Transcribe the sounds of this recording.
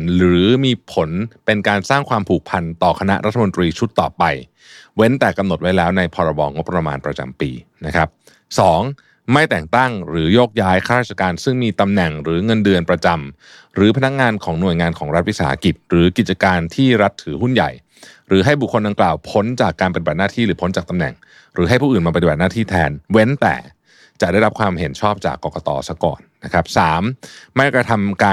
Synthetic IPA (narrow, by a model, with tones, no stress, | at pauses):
nɾɯː˩˦miː˧pʰo˩˦npe˧nkaː˧nsaː˥˩ŋkʰwaː˧mpʰuː˨˩k̚pʰa˧nt̪ɔː˨˩kʰa˧na˦˥ʔɾa˦˥t̪ʰːa˧mo˧nt̪ɾiː˧t͡ɕʰu˦˥t̪ːɔː˨˩pa˧j | we˦˥nt̪ɛː˨˩ka˧mno˨˩t̪̚wa˦˥jlɛː˦˥wna˧jpʰɔː˧ɾa˧bɔ̰ː˧ŋo˦˥pːɾa˧ma̰ː˧npɾa˧t͡ɕa̰˧mpḭː˧na˦˥kʰa˦˥p̚ | sɔː˩˦ŋ | ma˥˩jt̪ɛː˨˩ŋt̪a˥˩ŋɾɯː˩˦joː˥˩k̚jaː˦˥jkʰa˥˩ɾaː˥˩t͡ɕʰːa˧kaː˧nsɯ˥˩ŋmiː˧t̪a˧mnɛ˨˩ŋɾɯː˩˦ŋɤ˧ndɯ˧ənpɾa˧t͡ɕa˧m | ɾɯː˩˦pʰa˧na˦˥k̚ŋaː˧nkʰɔː˩˦ŋnu˨˩əjŋaː˧nkʰɔː˩˦ŋɾa˦˥t̪̚wi˦˥saː˩˦ha̰˧ki˨˩t̪̚ɾɯː˩˦ki˨˩t̪̚t͡ɕa˧kaː˧nt̪ʰiː˥˩ɾa˦˥t̪ʰːɯː˨˩˦ɦu˥˩nja̰˨˩j | ɾɯː˩˦ɦa˥˩jbu˨˩kʰːo˧nda˧ŋklaː˨˩wpʰo˦˥nt͡ɕaː˨˩kːaː˧npa˧t̪i˨˩ba˨t̪̚naː˥t̪ʰiː˥˩ɾɯː˩˦pʰo˦˥nt͡ɕaː˨˩k̚t̪a˧mnɛ̰˨˩ŋ | ɾɯː˩˦ɦa˥˩jpʰuː˥˩ʔɯː˨˩nmaː˧p̬a˧t̪i˨ba˨˩t̪naː˥˩t̪ʰiː˥˩t̪ʰɛ̰ː˧nwe˦˥nt̪ɛ̰ː˨˩ | t͡ɕa˨˩ʔda˥˩jɾa˦˥pkʰwaː˧mhe˩˦nt͡ɕʰɔː˥˩p̚t͡ɕa̰ː˨˩kːɔː˧kɔ˧t̪ɔ̰ː˧sa˦˥kɔ̰ː˨˩nːa˦˥kʰɾa˦˥p̚saː˩˦mma˥˩jkɾa˧t̪ʰa˧mkaː˧